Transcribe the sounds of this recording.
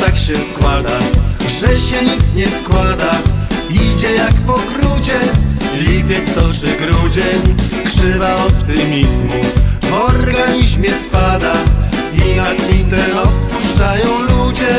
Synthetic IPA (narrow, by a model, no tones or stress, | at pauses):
t̪akɕɛskwad̪aʐɛɕɛɲit̪sɲɛskwad̪aid͡ʑɛjakpɔkɾud͡ʑɛlʲipʲjɛt̪st̪ɔt͡ʂɘɡɾud͡ʑɛɲkʂɘvaɔpt̪ɨmʲizmuvɔɾɡaɲiʑmʲjɛspad̪a | inakint̪ɛɾɔspuʂt͡ʂajɔ̃w̃lud͡ʑɛ